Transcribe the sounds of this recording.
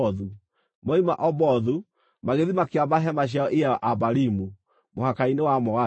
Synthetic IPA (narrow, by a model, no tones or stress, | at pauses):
ðu | mɔima̰ʔɔβɔðu | maɣeðimakeaβaɦɛmaɕ̬aɔʔijaʔaβaɾimu | mohakainewamɔwa